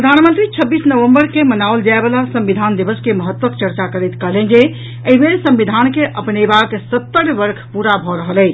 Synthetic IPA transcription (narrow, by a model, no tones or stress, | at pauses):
ɾəd̪ʱanmənt̪ɾit͡ʃʰəbːisnəʋəmbəɾkemənawld͡ʒaebəlasə̃mbid̪ʱand̪ibəskeməɦət̪ːwəkt͡ʃəɾt͡ʃakəɾejt̪kəɦlẽnd͡ʒe | əibelsə̃mbid̪ʱankeʔəpnebaksət̪ːəɾbəɾkʰpuɾabʱɔɾəɦəlɛ